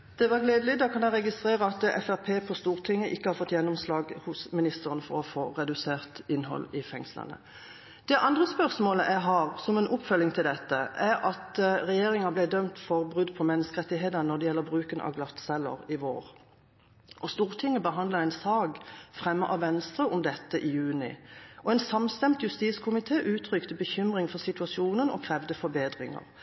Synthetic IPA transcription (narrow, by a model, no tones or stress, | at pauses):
d̪̥ɛʋɑʁɡleːd̪əlɪd̪ɑkʰɑnæɪʁɛɡɪst̪ʁeːʁəɑt̪ɛ̰fæʁpʰeːpʰɔst̪uːʁt̪ʰɪŋːəʔɪkːəhɑɾfɔt̪ːjɛnːɔmslɑːɡhʊsmɪnɪst̪əʁənfɔʁɔfoːʁɛd̪ʉseːʁt̪ɪnːɦɔ̰lɪfɛŋslə̰nə̰ | d̪̥ɛʔɑnd̪ʁəspœʁsmoːləʔæɪɦɑːʁsɔmɛːnʔʊpːfœlːɪŋt̪ʰɪld̪ɛt̪ːəʔæʁɑt̪ʁɛjeːɾɪŋɑblɛd̪œmt̪fɔʁbʁʉd̪pʰɔmɛnːəskəʁɛt̪ːɪɦeːd̪ənɔd̪ɛjɛlːəbʁʉːkənʔɑ̰ʋɡlɑt̪sɛlːə̰ʁɪʋo̰ːʁ | ʔɔst̪uːʁt̪ʰɪŋːəbəɦɑnd̪lɑɛɪnsɑːɡfʁɛmːəʔɑʋʋɛnst̪ʁəʔʊmd̪ɛt̪ːəʔɪjʉːnɪ̰ɔɛɪnsɑmst̪ɛmt̪jʉst̪iːskʰʊmɪt̪ʰeːʔʉːt̪ʰɾʁʏkt̪əbəçʏmʁɪŋfɔʁsɪt̪ʉɑsɪuːnənɔ̰kʰʁɛʋd̪əfɔbeːd̪ʁɪŋə̰ʁ